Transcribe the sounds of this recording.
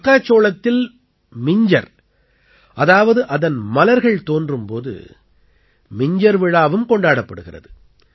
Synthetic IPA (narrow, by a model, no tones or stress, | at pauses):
kːaːt͡ʃːoːlɐt̪ːɪl | mɪɲd͡ʒɐɾ | ʔɐðaːʋɐðɯʔɐðɐnmɐlɐɾɣɐɭt̪oːndrɯmpo̰ːðɯ̰ | mɪɲd͡ʒɐɾʋɪɻaːʋɯmkɔɳɖaːɽɐpːɐɽɯɣɪrɐ̰ðɯ